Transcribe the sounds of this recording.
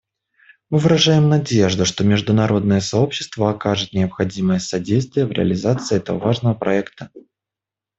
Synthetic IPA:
mɨvɨɾɐʐajɪmnɐdʲeʐd̪ʊʂt̪o̞mʲɪʐd̪ʊnɐɾʔo̞d̪̚nəjəsɐo̞pɕːɪ̥st̪vəɐkaʐɨt̪̚nʲɪəpxɐdʲiməjəsɐdʲejst̪vʲɪjəvɾʲɪ̰ɐ̰lʲɪzat̪sɨːɛt̪əvə̰vaʐnəvəpɾɐɛkt̪ə

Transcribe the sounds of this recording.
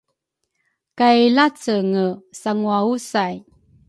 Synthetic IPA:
kailat͡səŋəsaŋuausaj

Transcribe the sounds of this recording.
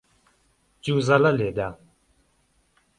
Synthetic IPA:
t͡ɕuʔzalaled̪a

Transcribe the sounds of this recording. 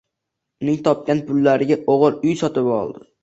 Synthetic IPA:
ʊnɪŋt̪ʰɒp̚kʲanpʰʊlːaɾɪɡʲaʔoʁɨɾʊjsɒt̪ɪpɒ̰lˠd̪ɪ

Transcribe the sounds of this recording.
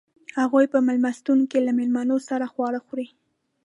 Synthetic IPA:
haɣujpəmalmast̪uŋkelamɪlmanosaɾaxwɑɽəxɾi

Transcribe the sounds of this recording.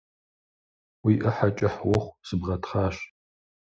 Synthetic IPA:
wiːʔɐħat͡ʃʼɪħwɔχʷsɨbʁɐtʰχaːɕ

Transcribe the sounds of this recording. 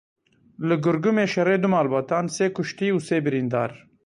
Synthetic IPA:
lɨɡʊɾɡumeːʃɛreːd̪ʊmaːlbaːt̪aːnseːkʰʊʃt̪iːuːseːbɨɾiːnd̪a̰ːɾ

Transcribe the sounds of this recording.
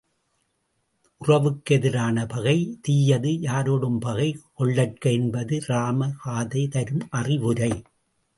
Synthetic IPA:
ʔʊrɐʋɯkːɛðɪɾaːnɐpɐɣɐɪt̪iːjɐðɯjaːɾoːɽɯmpɐɣɐɪkɔɭːɐʈ̚kɐɛnbɐðɯraːmɐɣaːðɐɪt̪ɐɾɯmʔɐrɪʋɯɾɐɪ

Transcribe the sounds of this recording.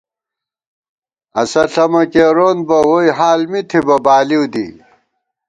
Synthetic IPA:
ɐsɐɬɐmɐkeːɾoːnbɐwojɦaːlmit̪ʰibɐbaːliwd̪ḭ

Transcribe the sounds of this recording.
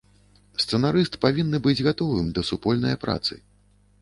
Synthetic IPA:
st̪sɛnaɾɨst̪pavʲinːɨbɨd͡zʲɣat̪ɔvɨmd̪ɐsupɔlʲnɐjɐpɾa̰t̪sɨ̰

